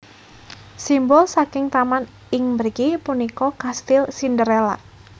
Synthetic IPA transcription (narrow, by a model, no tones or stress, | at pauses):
simbɔlsakɪŋt̪aman | ɪŋmbəɾɡipunikɔkast̪ɪlsindəɾela̰